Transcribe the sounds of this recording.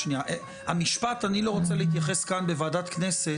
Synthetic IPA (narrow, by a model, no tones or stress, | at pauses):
niaʔe | ha̰miʃpat̪anilo̞ʁo̞t͡seleit̪̬jaχeskanbevaːdat̪kne̞se̞